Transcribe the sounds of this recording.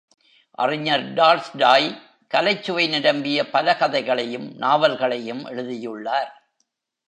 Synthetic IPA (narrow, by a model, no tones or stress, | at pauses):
ʔɐ̰rɪɲɐɾɖaːlsɖaːj | kɐlɐɪt͡ʃːʊʋɐɪnɪɽɐmbɪjɐpɐlɐkɐðɐɪɣɐɭɐjɯmnaːʋɐlɣɐɭɐjɯmʔɛ̰ɻɯðɪjɯɭːaːɾ